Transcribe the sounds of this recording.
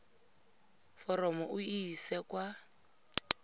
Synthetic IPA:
fɔrɔmɔʔuisɛkʼwa

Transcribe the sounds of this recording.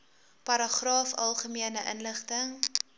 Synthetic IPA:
pɐɾɑχrɑːfɐlˠχəmiənəʔə̰nləχtəŋ

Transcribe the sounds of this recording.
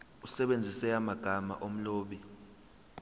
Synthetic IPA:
usɛɓend͡zʱisɛamaɡ̥ʱama̰ʔom̩loːɓi

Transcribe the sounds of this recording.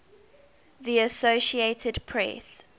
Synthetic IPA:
ðiəsoʊʃieɪtʰədpʰɹɛ̰s

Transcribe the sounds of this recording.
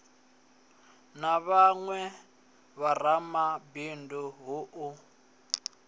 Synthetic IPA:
naβaŋwɛ | βaramabinduɦʊʔʊ

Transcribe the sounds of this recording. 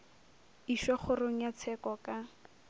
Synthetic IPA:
iʃɔχʊroŋ̩jat͡sʰɛkɔka

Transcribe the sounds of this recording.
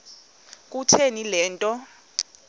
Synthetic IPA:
k̬ʼutʰenilɛːntʼɔ

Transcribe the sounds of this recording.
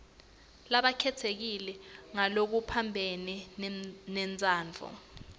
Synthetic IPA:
laɓakʰɛtʰek̬ilɛŋalok̬upʰambʱeni | nɛnt͡sʼaːnd͡ɮʱɔ̰

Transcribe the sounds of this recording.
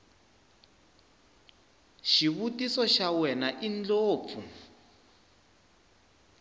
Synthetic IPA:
ʃiβutisɔʃawɛnaʔind͡ɮoːp̪fu

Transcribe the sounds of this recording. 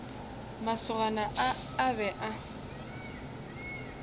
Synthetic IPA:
masʊɣanaʔaː | bɛʔa

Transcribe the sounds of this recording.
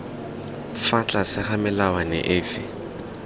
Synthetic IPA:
fat͡ɬʼasɪχamɪlawanɛ̰ʔɪːfɪ

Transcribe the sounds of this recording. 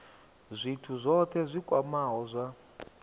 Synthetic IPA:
zʷitʰuzʷɔt̪ʰɛzʷikʼwamaɦɔzʷa

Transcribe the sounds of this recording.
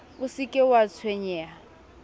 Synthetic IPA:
ʊsikʼɛwat͡sʰweɲɛa

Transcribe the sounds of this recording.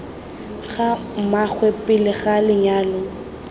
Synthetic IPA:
ɣa | mak͡xʰwɛpɪlɪɣalɪɲaːlɔ

